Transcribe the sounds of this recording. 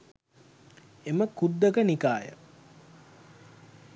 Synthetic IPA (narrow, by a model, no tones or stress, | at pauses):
eməkud̪ːəkənikaːjə̰